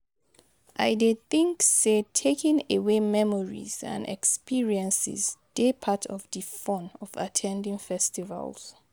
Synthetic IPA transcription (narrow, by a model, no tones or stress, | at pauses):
ʔajdeθĩŋksetʰekʰĩŋewemɛmɔɹḭzã̰nɛ̰kspʰiɹiɛ̃nsḭzd̥epʰatʰɔvdifɔ̃nɔva̰tʰɛ̃ndĩŋfɛstiva̰lz̥